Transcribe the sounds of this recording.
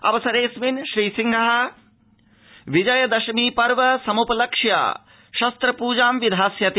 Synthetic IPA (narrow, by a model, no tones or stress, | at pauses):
ɐ̰ʋɐsɐɾeːsminʃɾiːsiŋɡʱɐɦɐ | ʋid͡ʒɐjɐd̪ɐʃɐmiːpɐɾʋɐsɐmupɐlɐkʂja̰ː | ʃɐst̪ɾɐpuːd͡ʒaːmʋid̪ʱaːsjɐt̪i